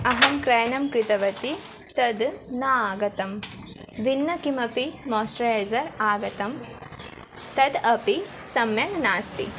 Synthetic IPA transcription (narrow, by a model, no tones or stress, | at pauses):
ɐɦɐmkɾɐjnɐmkɾɪt̪ɐʋɐt̪i | t̪ɐd̪naaːɡɐt̪ɐm | ʋinːɐkimɐpimoːsɾɐjezɐɾaːɡɐt̪ɐm | t̪ɐd̪ɐpisɐmjɐŋnaːst̪ḭ